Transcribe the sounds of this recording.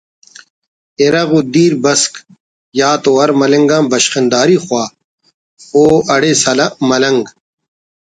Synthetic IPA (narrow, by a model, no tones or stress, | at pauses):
eɾɐɣud̪iːɾbɐsk | jaːt̪oːɐɾmɐlɐŋɡãːbɐɕqɪnd̪aːɾiːxwaː | oːɐɽesɐlɐʔmɐlɐŋɡ